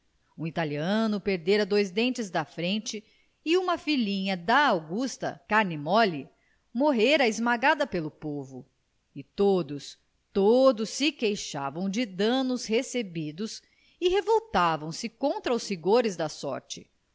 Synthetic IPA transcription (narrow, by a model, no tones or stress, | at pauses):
ũit̪aliɐ̃nʊpeɾd̪eɾɐd̪ojzd̪ẽnt͡ʃɪzd̪ɐfɾẽnt͡ʃɪ | ɪũmɐfilĩɲɐd̪ɐawɡust̪ɐ̰kaɾnimɔli | moɦeɾɐɪzmaɡad̪ɐpelʊpovʊ̰ | ɪt̪od̪ʊs | t̪od̪ʊsːɪkejʃa̰vɐ̃w̃d͡ʒɪd̪ɐ̃nʊshesebid̪ʊs | ɪɦevowt̪avɐ̃w̃sɪkõnt̪ɾɐʊshiɡoɾɪzd̪ɐsɔ̰ɾt͡ʃɪ̥